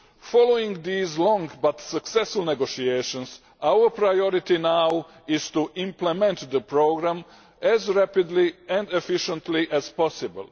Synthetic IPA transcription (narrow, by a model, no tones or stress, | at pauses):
fɔloĩŋɡd̪iːzlɔ̃ŋɡbat̪saksɛsfulˠneɡoʃieʃõns | awəɾpɾajoɾit̪inaw | ɪz̥t̪uʔĩmplemɛ̃nt̪d̪əpɾoɡɾãm | ɛzɾapɪd̪liɛ̃nd̪efiʃə̃nt̪liʔɛz̥pɔsɪbə̰lˠ